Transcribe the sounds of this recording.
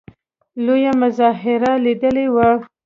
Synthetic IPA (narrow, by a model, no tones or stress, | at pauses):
lojamʊzɑɦɪɾalid̪əlewa